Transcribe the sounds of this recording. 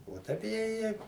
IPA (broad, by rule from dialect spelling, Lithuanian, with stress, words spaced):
oː ˈtɐɪp jɛ ˈjɛ